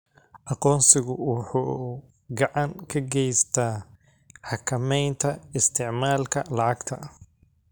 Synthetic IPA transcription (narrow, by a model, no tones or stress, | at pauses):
ʔɑqɔːnsɪɣʊwʊħuː | ɡɑʕɑŋkʰɐɡɛjst̪ʰaː | ħɑkʰɐmɛjnt̪ʰɐɪst̪ʰɪʕmaːlkʰɐlɑʕɑɡt̪ʰɐ